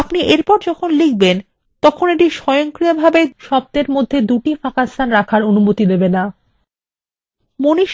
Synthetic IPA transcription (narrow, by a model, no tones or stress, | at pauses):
apniʔeɾpɔɾd͡ʑɔkʰonlik̚ben | t̪ɔkʰoneʈiʃɔjoŋkɾijabʱabeʃɔb̚t̪eɾmod̪ʱːed̪uʈifakast̪ʰanɾakʰaɾonumot̪id̪ebena | moniʃ